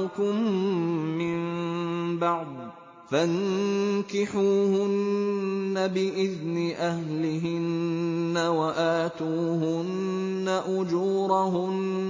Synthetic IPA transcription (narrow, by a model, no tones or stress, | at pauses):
kʊmː | ɪm | bɑʕd̪̚ˤ | fankɪħuːhʊnː | abɪʔɪðnɪʔahlɪɦɪnːawaʔaːt̪uːhʊnː | aʔʊd͡ʒuːɾˤɑɦʊn